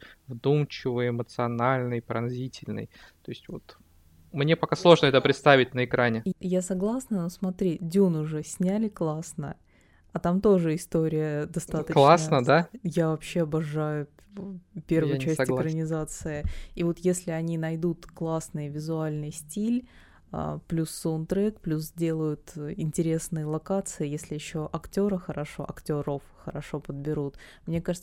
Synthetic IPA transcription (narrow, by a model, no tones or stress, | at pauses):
vd̪umt͡ɕɪvɨjɪmət̪sɨɐnalʲnɨjpɾɐ̰nzʲitʲɪlʲnɨ̰jt̪o̞ɪsʲtʲvot̪ | mnʲepɐkaslˠo̞ʐnəɛt̪əpɾʲɪt̪st̪avʲɪtʲnəɪkɾanʲɪjasɐɡlˠasnənosmɐt̪ɾʲidʲunʊʐɨsʲnʲælʲɪklˠasnə̰ | ɐt̪amt̪o̞ʐɨɪst̪o̞ɾʲɪjəd̪ɐst̪at̪əklˠasnəd̪ajavɐpɕːeɐbɐʐajʊ | pʲe̞rvʊt͡ɕæsʲtʲɪkkɾənʲɪzat̪sɨɪivo̞t̪jesʲlʲɪɐnʲinɐjd̪ut̪klˠasnɨjvʲɪzʊalʲnɨjsʲtʲilʲ | ə̰plʲusːont̪ɾɛkplʲuszdʲe̞lˠəjʊt̪ɪnʲtʲɪɾʲe̞snɨjəlˠɐkat̪sɨɪjesʲlʲɪjɪɕːo̞ʔɐktʲo̞ɾəxəɾɐʂo̞̰ʔɐktʲoɾofxəɾɐʂo̞pəd̪̚bʲɪɾut̪mnʲe̞kaʐɨt̪